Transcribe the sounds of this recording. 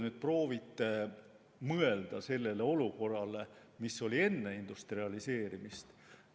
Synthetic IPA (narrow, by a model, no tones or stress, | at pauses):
nyd̪̥̚pro̞ːvit̪ːˑe | mɤe̞ld̪̥ɑse̞lːe̞le̞o̞luko̞rːɑle | misːo̞lʲie̞nːe̞ind̪̥ust̪riɑlise̞ːɾimist̪